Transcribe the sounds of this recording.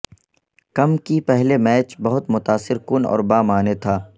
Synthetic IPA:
kɐmkipɛɦlemɛːt͡ʃbɐɦʊt̪mʊt̪aːsɪɾkʊnɔ̰ːɾbaːmaːnet̪ʰaː

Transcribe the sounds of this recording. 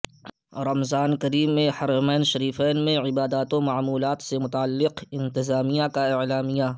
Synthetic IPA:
ɾɐmzaːnkɐɾiːmːẽhɐɾmɛːnʃɐɾiːfɛːnmẽʕɪbaːd̪aːt̪õmaʕmuːlaːt̪semʊt̪aalːɪqɪ̃nt̪ɪzaːmijãkaɪʕlaːmija

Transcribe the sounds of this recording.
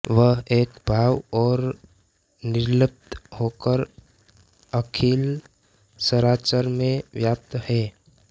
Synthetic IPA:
ʋəɦeːkbʱaːwɔːɾ | nɪɾləp̚t̪hokəɾ | əkʰil | səɾaːt͡ʃəɾmẽʋjap̚t̪əhɛ

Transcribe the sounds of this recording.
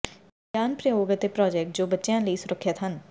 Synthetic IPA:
ɡaːnpɾəjoːɡət̪epɾɔːd͡ʒɛːk̚ʈ̚d͡ʒoːbətːʃjãləisʊɾəkʰːət̪ɦən

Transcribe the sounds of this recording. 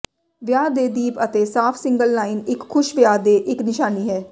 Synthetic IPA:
ʋjaːd̪eːd̪iːpət̪eːsaːpʰsɪ̃ŋɡəlnaːinɪkʰːʊʃʋjaːd̪eːʔɪknɪʃaːniːɦɛː

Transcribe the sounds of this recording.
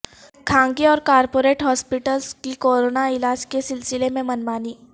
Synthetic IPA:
kʰãːŋɡiɔːɾkaːɾpoɾeːʈɦɔːspiʈəlskikoːɾonaɪlaːd͡ʒkesɪlsɪlemẽmənmaːniː

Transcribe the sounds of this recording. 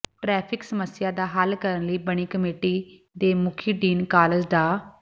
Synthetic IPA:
ʈɾɛːpʰɪksəməsɪjaːd̪aːɦəlkəɾənləiːbəɳ̃iːkəmeːʈiː | d̪eːmʊkʰiːɖiːnkaːləzɖ̪aː

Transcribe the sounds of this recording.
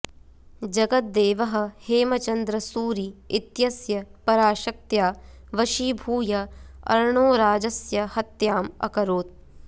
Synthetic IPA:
d͡ʒɐɡɐt̪̚d̪eːʋɐɦɐ̆heːmɐt͡ʃɐnd̪ɾɐsuːɾiit̪jɐsjɐpɐɾaːʃɐk̚t̪jaː | ʋɐʃiːbʱuːjɐɐ̰ɾɳoːɾaːd͡ʒɐsjɐhɐt̪jaːmɐ̰kɐɾoːt̪̚

